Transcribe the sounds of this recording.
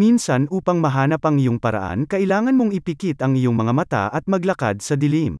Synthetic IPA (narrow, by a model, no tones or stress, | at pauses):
minsɐnʔuːpɐŋmɐɦaːnɐpɐŋɪjoŋpɐɾɐ̰ʔa̰nkɐʔɪlaːŋɐnmoŋɪpɪkit̪ɐŋɪjoŋmɐŋamɐt̪a̰ʔɐt̪̚mɐɡlɐka̰d̪̚sɐd̪ɪlim